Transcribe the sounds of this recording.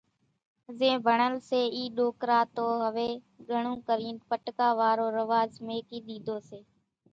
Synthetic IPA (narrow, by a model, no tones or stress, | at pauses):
zẽːbʱəɳəlseːiːɗoːkɾaːt̪oːɦəʋeː | ɡʱəɳũːkəɾiːnpəʈkaːʋaːɾoːɾəʋaːzmeːkiːɗ̪iːd̪ʱoːseː